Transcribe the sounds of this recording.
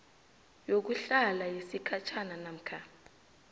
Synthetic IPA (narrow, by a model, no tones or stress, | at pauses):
jok̬uɬalajesikʰat͡ʃʰananam̩kʰa